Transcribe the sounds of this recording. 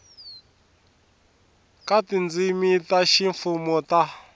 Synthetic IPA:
katind͡zimitaʃiɱfumɔta

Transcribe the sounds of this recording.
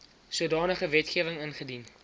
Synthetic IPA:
suədɑːnəχəvɛtχiəvəŋənχədin

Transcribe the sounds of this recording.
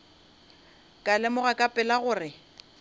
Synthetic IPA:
kʼalɛmʊɣakʼapʼɛlaɣʊːrɪ

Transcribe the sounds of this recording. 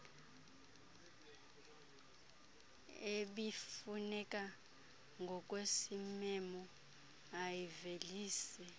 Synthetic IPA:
eɓifunɛkʼa | ŋɡʱɔkʼwesimɛmɔ | ajiveliːsɛ

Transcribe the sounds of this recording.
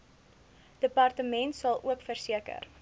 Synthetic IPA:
d̥əpɐrtəmɛntsɐlˠṵəkfərsiəkə̰r

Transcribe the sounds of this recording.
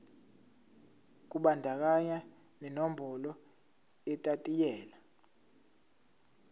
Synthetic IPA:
k̬ʼuɓandʱak̬ʼaɲa | nɛnombʱɔlɔ | ɛtʼatʼijɛːla

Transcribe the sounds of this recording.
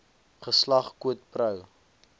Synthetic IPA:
χəslɐχkuət̚prœw

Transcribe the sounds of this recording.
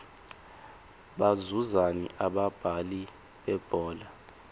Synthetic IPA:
ɓazuzanḭʔaɓab̥ʱali | ɓɛb̥ʱɔːla

